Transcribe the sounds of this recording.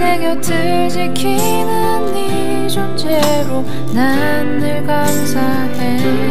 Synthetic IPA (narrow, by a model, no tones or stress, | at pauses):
neɡjʌtʰɯ | ɭd͡ʑikʰi | nɯ | nːi | d͡ʑont͡ɕʰe | ɾo | na | nːɯɭkaŋsʰa | de